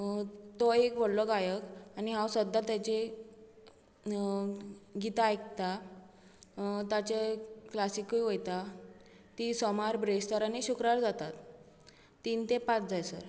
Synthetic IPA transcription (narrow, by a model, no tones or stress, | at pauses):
t̪ɔekbʱoɽlɔɡajəkaniɦãwsəd̪ːat̪at͡ɕe | ɡit̪aːjk̚t̪a | t̪at͡ɕeklasikujʋojt̪a | t̪isɔmaɾbɾest̪əɾaneɕukɾaɾd͡zat̪at̪ː | int̪epat͡sd͡zajsə̰ɾ